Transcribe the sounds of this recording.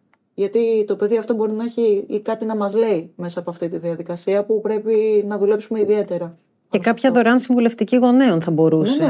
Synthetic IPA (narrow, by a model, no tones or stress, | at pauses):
ʝɐt̪it̪o̞pe̞ðiɐft̪o̞bo̞ɾinɐeçiikɐt̪inɐmɐzle̞ime̞sɐːpoɐft̪it̪iðiɐðikɐsiɐpupɾe̞pinɐðule̞psume̞iðie̞t̪e̞ɾɐ | cekɐpçɐðo̞ɾeɐnsiɱvuleft̪iciɣo̞neo̞nθɐbo̞ɾuse